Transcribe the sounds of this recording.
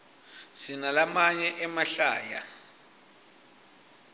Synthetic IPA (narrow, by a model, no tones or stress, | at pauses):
sinalamaɲɛʔɛmaɬaːja